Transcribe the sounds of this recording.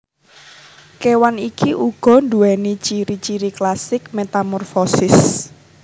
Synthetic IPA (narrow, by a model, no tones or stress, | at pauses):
kewanikiʔuɡ̥ɔ̤nd̪uɛnit͡ʃiɾit͡ʃiɾiklasɪk̚met̪amɔrfɔsɪs